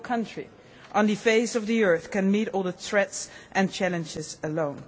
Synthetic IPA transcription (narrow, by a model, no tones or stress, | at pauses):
kʰʌ̃nt͡ʃɹ̥ḭ | ʔə̃nðɨfeɪsʌvðiɜ˞θkɨ̃nmiɾɔlˠðəθɹɛtsʔɨ̃nt͡ʃʰælɨ̃nd͡ʒɪzəlõʊ̃n